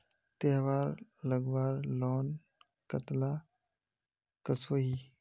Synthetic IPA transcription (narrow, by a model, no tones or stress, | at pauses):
t̪eɦʋaːɾləɡwaːɾlɔːn | kət̪la | kəsoːɦiː